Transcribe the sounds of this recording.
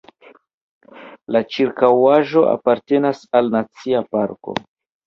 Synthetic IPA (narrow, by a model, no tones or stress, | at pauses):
lat͡ʃiɾkawaʒo̞ʔa̰paɾte̞nasalnat͡siapaɾko̞̰